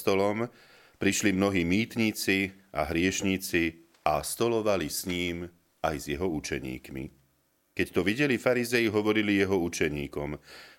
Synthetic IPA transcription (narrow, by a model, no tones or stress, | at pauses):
t̪ɔlɔm | pɾiʃlimnɔɦiːmiːt̪ɲit͡si | a̰ɦɾɪɛʃɲit͡si | ast̪ɔlɔʋalisɲiːm | ajzjɛɦɔut͡ʃɛɲḭːkmḭ | kɛct̪ɔʋiɟɛlifaɾizɛjiɦɔʋɔɾilijɛɦɔut͡ʃɛɲiːkɔm